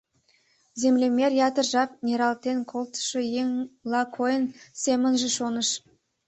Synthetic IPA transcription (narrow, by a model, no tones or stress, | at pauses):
zemlʲemʲerjɑt̪ərʒɑp̚nʲeɾɑlˠt̪enkʰolˠt̪ʃəjeŋlɑkʰojənsʲemənʒə̆ʃonəʃ